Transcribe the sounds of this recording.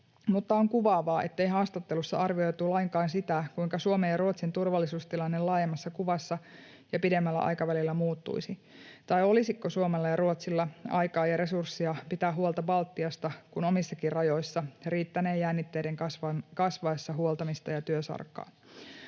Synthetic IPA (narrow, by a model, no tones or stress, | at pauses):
mut̪ːɑoŋkuʋɑːʋɑːʔe̞t̪ːe̞jɦɑːst̪ɑt̪ːelusːɑ̰ʔɑrʋio̞jt̪ulɑiŋkɑːnsit̪ækuiŋkɑsuomejɑruot̪sint̪urʋɑlːisuːst̪ilɑnːelɑːjemːɑsːɑkuʋɑsːɑ | jɑpide̞mːælːæ̰ʔɑ̰jkɑʋælilːæmuːt̪ːṵisit̪ɑjo̞lisikːosuomelːɑjɑɾuot̪silːɑɑ̰jkɑːjɑɾe̞sursːiɑpit̪æːɦuolt̪ɑbɑlt̪ːiɑst̪ɑkuno̞misːɑkirrɑjo̞jsːɑriːt̪ːæneːjːænːit̪ːe̞jdeŋkskɑsʋɑesːɑɦuolt̪ɑmist̪ɑjɑt̪yøsɑ̰rkːɑ̰ː